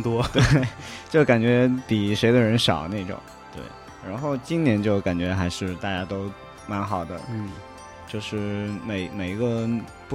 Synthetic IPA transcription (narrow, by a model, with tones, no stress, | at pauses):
t̪wɔ˥te˥˩ɪt͡ɕjo˥˩ʊka˨˩nt͡ɕɥɛ˧˥t̪i˨˩ʂe˧˥ɪd̪ə˧ɻə˧˥nʂɑ˨˩ʊna˥˩ɪʈ͡ʂʊ̰˨˩˦ŋ | t̪wḛ˥˩ɪ | ɻa˧˥nxo˥˩ʊt͡ɕi˥nnjɛ˧˥nt͡ɕjo˥˩ʊka˨˩nt͡ɕɥɛ˧˥xa˧˥ɪʂɻ̩˥˧t̪a˥˩t͡ɕja˥t̪o˥ʊ | ma˧˥nxɑ˨˩ʊd̪ə˦˥˩ | t͡ɕjo˥˧ʊʂɻ̩˥˩me˨˩ɪme˨˩ɪ˧˥ɡə˧ | pu˥˩